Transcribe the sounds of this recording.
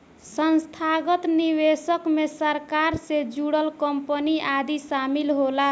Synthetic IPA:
sənst̪ʰaɡət̪nibesəkmesəɾkaɾsed͡ʒuɽəlkəmpəniʔad̪isamilɦola

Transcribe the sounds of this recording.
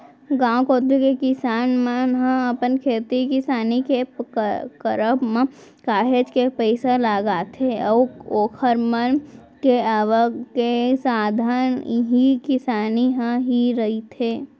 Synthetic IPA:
ɡãːwkoːt̪ukekɪsaːnmənɦə̃əpənkʰeːt̪ikɪsaːnike | kəɾəbmẽ | kaːɦed͡ʒkepəɪsalaːɡat̪ʰeɔːoːkʰəɾmən | keaːʋəkesaːd̪ʱaːnɦikɪsaːniɦə̃ɦiɾəɦit̪ʰeː

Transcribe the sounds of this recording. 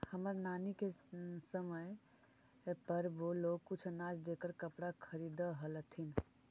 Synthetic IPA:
həməɾnanikesəməj | pəɾbolokːut͡ʃʰnad͡ʒd̪ekəɾkəpɽakʰəɾid̪əɦələt̪ʰin

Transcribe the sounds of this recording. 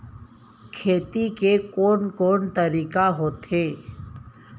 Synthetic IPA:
kʰeːt̪ikekoːɳkoːɳt̪əɾiːkaɦoːt̪eː

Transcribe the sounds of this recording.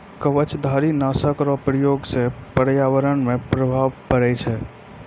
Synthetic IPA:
kəʋət͡ʃd̪ʱaɾinasəkɾɔpɾjoɡsẽpəɾjaʋəɾənmẽpɾəbʱaʋkəɾɛt͡ʃʰɛ

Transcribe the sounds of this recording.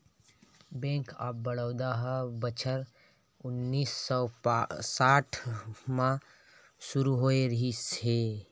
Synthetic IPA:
bẽːŋka̰ːbːəɽ̤əʊd̪aɦəbət͡ʃʰəɾ | ʊnːiːsɔsaːʈʰmã | suɾuɦoeɾəɦise

